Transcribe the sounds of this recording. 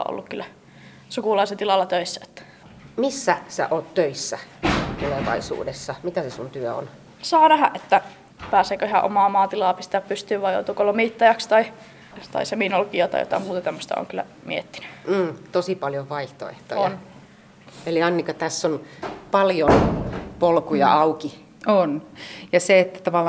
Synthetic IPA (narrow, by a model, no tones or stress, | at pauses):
ʔo̰lːukkylːæ | sukuˑlɑiselt̪ilɑlːɑt̪øisːæe̥t̪ːæ̥ | misːæsæ̰ʔoːtt̪øisːæt̪uleʋɑ̰isṵːdesːɑmit̪æsesunt̪yøo̰n | sɑːnæhæʔet̪ːæ | pæːseːkøihæ̰ʔo̰mɑːmɑːt̪ilɑːpist̪eæːppyst̪yːʋʋɑjo̰ut̪ukolomiˑt̪ːɑjɑkst̪ɑi | t̪ɑ̰iseminolkiɑt̪ɑ̰ḭjot̪ɑ̰muːt̪ɑt̪æmːəst̪ɑ̰o̰ŋkylːˑæ̰ | mḭet̪ːi̥ny̥m̩ːt̪osipɑljoʋʋɑiht̪o̰ḛht̪o̰joɑn | eliɑnːikɑt̪æsːonpɑljonpolkujɑ̰ɑuki | onjɑseet̪ːæt̪ɑʋɑlː